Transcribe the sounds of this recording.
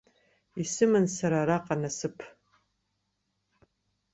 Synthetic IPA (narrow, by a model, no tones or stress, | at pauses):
isɨmɨnsaɾaːɾaqʼanasɨpʰ